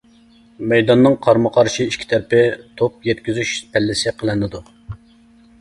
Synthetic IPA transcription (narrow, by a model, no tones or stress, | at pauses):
mɛjd̪ɑnːɨŋqʰɑɾməqʰɑɾʃiiʃkʲʰi̥t̪ʰæɾpɪt̪ʰop̚jɛt̪̚kʲyzyʃp̪ʰælːɪsɪqʰəlˠɨnːɨd̪u